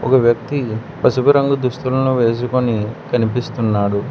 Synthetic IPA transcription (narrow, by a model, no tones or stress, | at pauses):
ɔkɐʋjɐk̚t̪ipɐsubɐɾɐŋɡud̪uʂt̪ulɐnuʋe̞ːs̬ukonikɐnipist̪unːaːɽu